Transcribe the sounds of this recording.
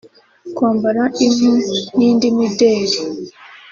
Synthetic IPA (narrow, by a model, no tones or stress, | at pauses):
kwaːmbaɾaʔim̥unindimideːɾi